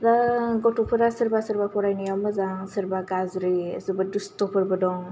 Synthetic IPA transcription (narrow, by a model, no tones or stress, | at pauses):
daɡɔtupʰɯɾasəɾbasəɾbapʰɔɾajnijawməzaŋsəɾbaɡazɾḭsɯbədustɔpʰɯɾbɯdɔŋ